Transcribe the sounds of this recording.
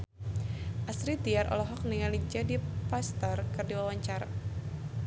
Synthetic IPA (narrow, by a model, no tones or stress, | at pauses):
ʔasɾit̪iaɾʔɔ̰lɔɦɔk̚niŋalid͡ʒadipast̪ərkɨrdiwawaɲt͡ʃaɾa